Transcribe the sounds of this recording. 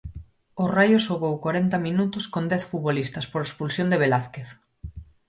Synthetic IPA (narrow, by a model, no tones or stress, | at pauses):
ʊrajʊʃoɣowkwaɾent̪ɐminut̪ʊskond̪ɛθfut̪βolist̪ɐspoɾespulsjõnd̪eβ̞elaθkeθ